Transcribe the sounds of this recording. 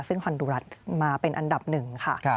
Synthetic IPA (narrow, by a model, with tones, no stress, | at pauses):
sɯ˥˩ŋpʰɔ˧nduː˧ɾa˦˥t̪̚maː˧pe˧nʔa˧nda˨˩p̚nɯ˨˩ŋkʰa˥˩˧